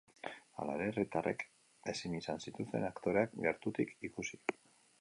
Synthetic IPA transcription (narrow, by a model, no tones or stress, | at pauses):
a̰la̰ɾe̞rit̪are̞k | e̞sinisansit̪ust̪e̞̰nakt̪o̞ɾeakɡe̞ɾt̪ut̪ikikusi̥